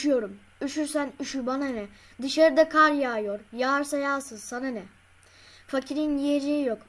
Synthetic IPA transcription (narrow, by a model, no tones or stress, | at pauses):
ujo̞ɾum | yʃyɾsænyʃyɾbananɛ | d̪ɯʃaɾɯd̪akʰaɾjaːjo̞ɾjaɾsajaːsɯz̥sananɛ | facʰiɾinjijed͡ʒejijok